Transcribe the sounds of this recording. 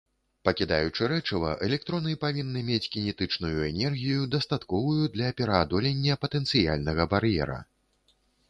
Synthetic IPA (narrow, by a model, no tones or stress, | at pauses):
pɐkʲid̪a̰jut͡ʂɨɾɛt͡ʂɐvɐ̰ʔɛlʲɛk̚t̪ɾɔnɨpavʲinːɨmʲet͡sʲkʲinʲɛt̪ɨt͡ʂnujuɛnʲɛrɣʲijud̪ɐst̪at̪kɔvujud̪lʲɐpʲɛɾɐːd̪ɔlʲɛnʲːɐpɐt̪ɛnt̪sɨja̰lʲnɐɣɐbaɾjɛ̰ɾɐ̰